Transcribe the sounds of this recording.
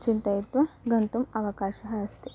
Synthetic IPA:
t͡ʃint̪ɐjit̪ʋɐɡɐnt̪umɐʋɐkaːʃɐɦɐɐst̪i

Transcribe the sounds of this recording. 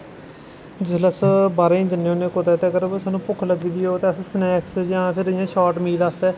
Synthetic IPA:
d͡ʒɪsləsbaːɾeːĩːd͡ʒənːeːoːneːkot̪ɛːt̪eːkəɾsaːnũːpʊkʰləɡiːd̪iːoːt̪eəssnɛːksd͡ʒãːpʰɪɾjãːʃɔːʈmiːlaːst̪ɛː

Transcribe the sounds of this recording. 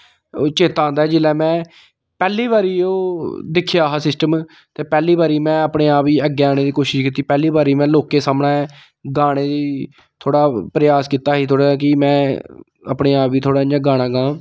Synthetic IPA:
ot͡ʃeːt̪ãːnd̪aːɛːd͡ʒɪlɛːmɛ̃ː | pɛːliːβaːɾiːoːd̪ɪkʰːjaːɦaːsɪsʈəm | t̪eːpɛːliːbaːɾiːmɛ̃ːəpɽeːaːpʋiːəɡːeːaːneːd̪iːkoːʃɪʃkiːt̪ːiːpɛːliːbaːɾiːmɛ̃ːloːkeːsaːmɳaːɛ | ɡaːɽ̃eːd̪iː | t̪ʰoːɽaːpɾəjaːskiːt̪aːɦiːt̪ʰoːɽaːkɪmɛ̃ː | ə̰pɽeːaːpʋiːt̪ʰoːɽaːd͡ʒãːɡaːɽ̃ãːɡãː

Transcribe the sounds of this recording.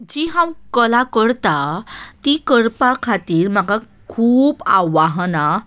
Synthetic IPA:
d͡ʑiɦãwkəlakəɽt̪at̪ikəɾpakʰat̪iːɾm̤aɡa | kʰuːbaʋaɦna

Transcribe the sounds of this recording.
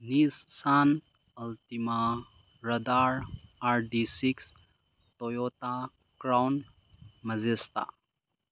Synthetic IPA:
nissan | ultima | ɾɐd̪aɾaɾdisiks | tɔjɔta | kɾawn | mɐzest̪a̰

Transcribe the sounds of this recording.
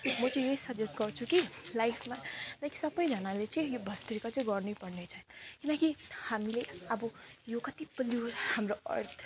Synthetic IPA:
mʌt͡sʌĩjʌisʌd͡zesɡʌrt͡sʰukilajpʰmalajkisʌbʌjd͡zʱʌnalet͡sʌĩjobʱʌst̪ɾikat͡sʌĩɡʌrnujpʌrnet͡sʰʌkinʌkihamileʌbʌjokʌt̪ipʌliwhamroʌ̰rt̪ʰ

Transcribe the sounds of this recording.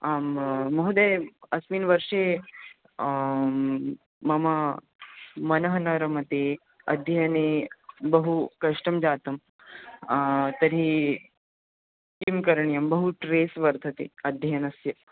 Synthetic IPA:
aːmmɐɦud̪ejɐsʋiːnʋɐɾʂe | ɐma | mɐnɐɦɐnɐɾɐmɐt̪i | ɐ̰d̪ʱjɐjɐnibɐɦukɐʂʈɐmd͡ʒaːt̪ɐm | t̪ɐɾi | kimkɐɾɳjɐmbɐɦuʈɾeːsʋɐɾt̪ʰɐt̪ḭɐd̪ʱjɐjɐnɐsjɐ

